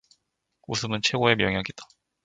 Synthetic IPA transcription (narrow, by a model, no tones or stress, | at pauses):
usʰɯmɯnt͡ɕʰwe̞ɡoe̞mjʌŋjaɡet̚t͈ḁ